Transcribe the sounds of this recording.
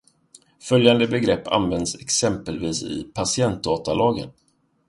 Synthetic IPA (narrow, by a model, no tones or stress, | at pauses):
fœljand̪əbɛɡɾɛpːa̰nvɛnd̪sɛksɛmpəlviːsɪ̰pʰasɪɛnt̪̚d̪ɑːt̪alɑːɡə̰n